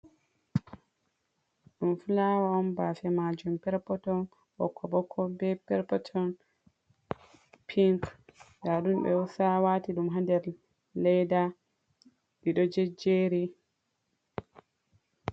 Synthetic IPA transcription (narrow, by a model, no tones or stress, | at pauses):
ɗumfulawaɔmbafɛmad͡ʒumpɛɾpɔtɔn | bɔ̰kʰːɔbɔkʰːɔbɛpɛɾpɔtʰɔn | pʰiŋkɡaɗumbɛ̰usawatiɗumɦandɛɾ | lɛjda | ɗiɗɔd͡ʒɛd͡ʒeɾi